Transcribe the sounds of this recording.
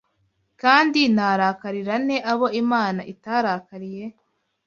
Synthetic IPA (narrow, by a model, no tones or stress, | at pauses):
kaːndinaɾakaɾiɾane̞ʔaβo̞imaːnaʔitaɾakaɾije̞